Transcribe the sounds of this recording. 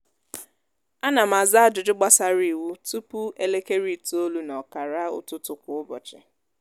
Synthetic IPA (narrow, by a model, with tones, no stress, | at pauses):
a˦na˨m̩a˨za˦a˦d͡ʒʊ˨dʊ˦ɡ͡ba˦sa˦ɾi˨wu˦tu˦pu˦e˦le˦ke˦ɾi˦tu˨o˦lu˦nɔ˨ka˨ɾa˦ʊ̰˦tʊ˦tʊ˨kʷʊ˨ʊ˦bɔ̰˨t͡ʃɪ˨